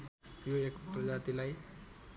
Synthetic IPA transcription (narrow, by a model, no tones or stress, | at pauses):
joekpɾəd͡ʑat̪ilaj